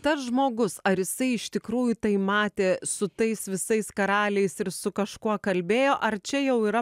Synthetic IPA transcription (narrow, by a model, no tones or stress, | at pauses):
t̪ɐsʒmoːɡʊsɐɾjɪsɐɪɪʃt̪ʲɪkɾuːjʊt̪ɐɪmɑːt̪ʲeːsʊt̪ɐɪsʋʲɪsɐɪskɐɾɑːlʲɛɪsɪɾsʊkɐʃkuɔkɐlʲbʲeːjoːʔɐrt͡ʃʲɛjɛʊiːɾɐ